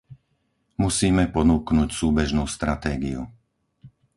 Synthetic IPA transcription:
musiːmɛpɔnuːknucsuːbɛʒnuːst̪ɾat̪ɛːɡḭṵ

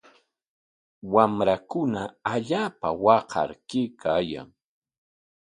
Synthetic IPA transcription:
wamɾakʊnaaʎaːpawɑqɑ̰ɾkɪkʰaːja̰ŋ

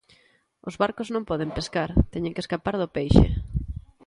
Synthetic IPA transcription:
ozβaɾkʊznõmpɔðempeskaɾt̪ɛɲẽŋkeskapaɾðʊpejʃḛ

